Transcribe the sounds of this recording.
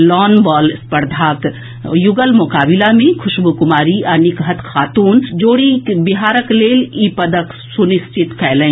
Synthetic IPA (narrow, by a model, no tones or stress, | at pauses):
lɔːnbɔːlspəɾd̪ʱaːk | jʊɡəlmʊkaːbɪlamẽkʰʊʃbukʊmaːɾiɐnɪkɦət̪kʰaːt̪uːnd͡ʒoːɽibɪɦaːɾəkleːliːpəd̪ək | sʊnɪst͡ʃʰɪt̪kʰɛːlẽ